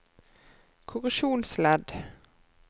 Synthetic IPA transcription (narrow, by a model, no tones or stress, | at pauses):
kʰʊʁʉʃuːnslɛd̪